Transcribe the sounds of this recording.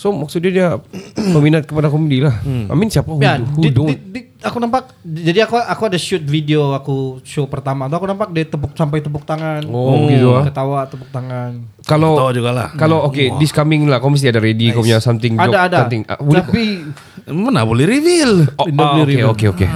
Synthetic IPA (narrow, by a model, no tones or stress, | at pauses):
somaksut̪̚dɲadiapəminat̪̚kəpadakomedilaha̰mɪnsiapaɦuadhudʊŋdi | akunampak̚ | d͡ʒadiakuakuadaʃut̪̚fideoakuʃopərt̪amat̪uakunampak̚dɛt̪əp̬ʊk̚samp̬ajt̪əp̬ʊk̚t̪aŋanɔɡit̪ukət̪awat̪əpuk̚t̪aŋan | kalod͡ʒuɡala̰hkalookediskamɪŋlahkowməs̬t̪iadaɾedikkapuɲasamt̪ɪŋad͡ʒɔdaːdasat̪ɪŋa̰boɛapi | məna̰bolɛhɾivɪlonaolɛiokeoke